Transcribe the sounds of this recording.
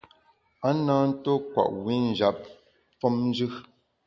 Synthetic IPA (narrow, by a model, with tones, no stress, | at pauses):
a˦naː˦n̩˦to˦kwa̰˨ʔwi˦n̩˨d͡ʒa˨p̚ | fɔ˦mn˦d͡ʒʉ˦